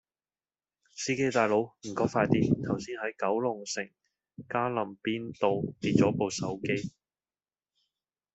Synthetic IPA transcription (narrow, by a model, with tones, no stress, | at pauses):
siː˥ke˥jt̪aː˨˧jlo˨˧˥wm̩˨˩kɔː˨˥faː˧jt̪iː˥t̪ʰɐ˨˩wsiː˥nhɐ˨˥jkɐ˨˥wlʊ˨˩ŋsɪ˨˩ŋ | kaː˥lɐ˨˩mpiː˥nt̪o˨wpiː˧˩t̚t͡sɔː˨˥po˨˧wsɐ˨˥wke˥j